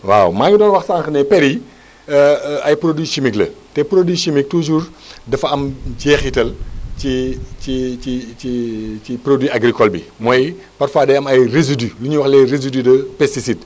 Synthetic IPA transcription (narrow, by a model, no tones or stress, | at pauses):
wa̰wmaːŋɡidɔːnwɐxsaːŋxənɛpɛɾi | ɐjpɾodwiʃimiklɐ̰tɛpɾodwiʃimik̚tuʒuːrdɐfɐɐmɟɛːxitɐlciciciiiprodwiaɡɾikɔlbḭmɔj | pɐrfaːdɛjɐmɐjrezidyluɲuwɐxlɛrezididɐpɛstisit